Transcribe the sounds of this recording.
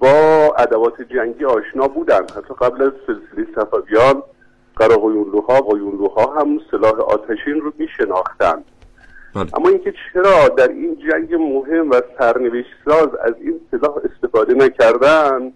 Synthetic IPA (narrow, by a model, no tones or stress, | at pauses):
bɒːæd̪ævɒːt̪ʰed͡ʒæŋɟiːɒːʃnɒːbuːd̪ænd̪hæt̪ʰːɒːɡæblæzfe̞lselejsæfævijɒːn | ɢ̥æɾɒːɣojunluːɦɒːʁoːjuːnluːhɒːɦæmse̞lɒːɦeʔɒ̰ːt̪ʰæʃiːnromiːʃenɒːxt̪æ̰nd̪̥ | ʔæ̰mːɒːiːŋcʰe̞t͡ʃʰe̞ɾɒːd̪æɾiːnd͡ʒæŋɟemoɦe̞mvæsæɾneveʃt̪sɒːzæ̰ziːnselɒːhe̞st̪e̞fɒːd̪enæcʰæɾd̪ænd̪